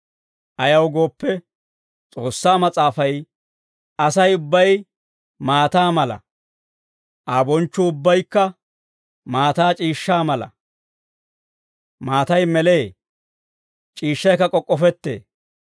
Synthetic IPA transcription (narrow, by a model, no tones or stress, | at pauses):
ʔɐjɐwɡo̞ːpːɛ | t͡sʼo̞ːsːaːmɐt͡sʼaːfɐj | ɐsɐjʊbːɐj | maːt̪aːmɐlɐ̰ | ʔaːbɔnt͡ʃːʊʊbːɐjkːɐ | maːt̪aːt͡ʃʼiːʃːaːmɐlɐ̰ | maːt̪ɐjmɛleː | t͡ʃʼiːʃːɐjkːɐkʼɔkʼːɔfɛt̪ːḛː